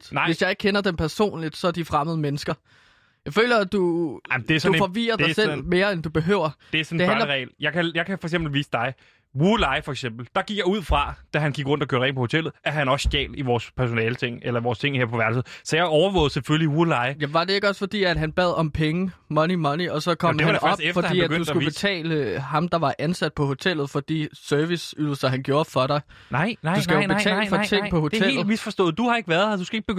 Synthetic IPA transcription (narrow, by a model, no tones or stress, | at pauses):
d̥nʋe̝sjɑ̈ɪe̝ɡ̥̚kʰenɐd̥empʰæɐso̝̰ːnlid̥sɒ̽æd̥ifʁäməðˠəmenəsɡ̥ɐ | jɑ̈ɪfø̰ːlɐd̥ud̥eæɐsufɒ̽ʋḭːɐdɑ̈ɪsḛme̝ːɐend̥ub̥e̝ɦø̰ːʊ̰ɐd̥e̝æɐsɒn̥̩ehæʁɛ̰ɪːljɑ̈ɪkʰæjɑ̈ɪkʰæfɒ̽eɡ̥semb̥l̩ʋiːsəd̥ɑ̈ɪ | wulɑ̈ɪfɒ̽eɡ̥semb̥l̩d̥ɑ̈ɡ̥iɡ̥jɑ̈ɪuð̞̰ˠfʁɑ̈d̥æɦænɡ̥iɡ̥ʁɔ̽n̰d̥ɐkʰøːɐʁɛ̰ŋpʰɒ̽ho̝t͡sʰel̰ð̞̩ˠæɐɦænɒ̽sɡ̥ɛ̰ːld̥iʋɒːspʰæɐs̬o̝nɛːlət͡sʰeŋ̰elɐʋɒːst͡sʰe̝ŋheɐ̰pʰɒ̽ʋæɐd̥sð̩ˠsɒjɑ̈ɒʊɐʋɔ̰̽ːð̩ˠsefølliwulɑ̈ɪjæʋɑ̈d̥e̝e̝ɡ̥ɒ̽sfɒ̽d̥ḭːæd̥ɦænb̥ɛ̰ð̞̰ˠɒ̽mpʰeŋəmɒ̽nimɒ̽niɒ̽sɒ̽kʰɒ̽m̰eænɑefbefɒ̽d̥ḭːædɡødusɡub̥e̝t͡sʰɛ̰ːləhɑ̈md̥ɑ̈ʋɑ̈ʔænsæd̥̚pʰɒ̽ho̝t͡sʰel̰ð̩ˠfɒ̽d̥ḭːsøɐʋisyð̰ˠsɐɦænɡ̥jo̝ːɐfɒ̽ɾ̥ɑ̈ɪ | usɡ̥æjo̥et͡sʰɛ̰ːlfɒt͡sʰeŋ̰pʰɒ̽ho̝ehe̝ːl̩̥misfɒ̽sd̥ɔ̰̽ːð̩ˠd̥uhɑ̈e̝ɡ̥ʋæɐðˠhɐd̥usɡ̥æeɡ̥̚beɡ̥ø